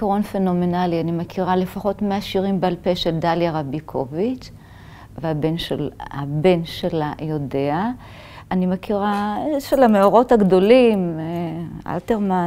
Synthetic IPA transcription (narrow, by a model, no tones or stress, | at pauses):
kaʁo̞nfe̞no̞menalianimekʰiʁalefaχo̞tmeaʃiʁimbealpeʃeldaljaʁabikʰo̞vit͡ʃ | veabe̞nʃelhabe̞nʃelajo̞de̞a | animekiʁaʃelameoʁo̞thaɡdo̞limea̰lteʁma